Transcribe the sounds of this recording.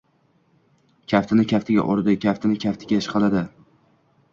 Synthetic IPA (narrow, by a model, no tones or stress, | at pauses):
kʲʰaft̪ʰɪnɪkʲʰaft̪ʰɪɡʲa̰ʔoɾd̪ɪkʲʰaft̪ʰɪnɪkʲʰaft̪ʰɪɡʲaʃqʰɑlad̪ɪ